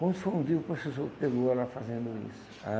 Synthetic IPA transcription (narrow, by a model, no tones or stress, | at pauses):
kɐ̃nd̪ʊ̥foũnd̪ipɾosesoɾpeɡoalafazẽnd̪ʊḭsʊ̥ | a